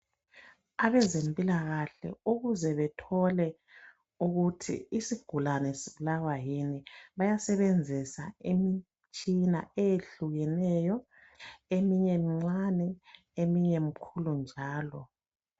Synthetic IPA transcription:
aβɛzempʼilaɣaɬɛ̰uɣuzɛβɛtʰɔlɛ | uɣutʰḭːsiɡ̥ʱulanɛseβlawajiniβajasɛβend͡zʱisa̰emi | t͡ʃʼina̰ejeɬuɣɛnɛjɔ | emiɲemiŋ͡ǀanɛ | emiɲɛmikʰulund͡ʒʱaːlɔ

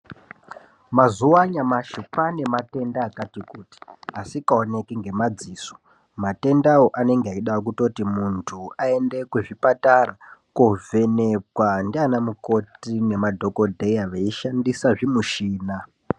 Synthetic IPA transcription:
mazuwaɲamaʃupane̞mate̞ndaːkatikuti̥asikaone̞kiŋɡe̞mad͡ziːso̥ | mate̞ndaoʔane̞ŋɡeaiɗaok̬uto̞timuntʰuae̞nde̞kweʐipatarakove̞nekwandianamuko̞tine̞madʱo̞ko̞dʱe̞jaʋeiʃandisaʐimuʃiːna

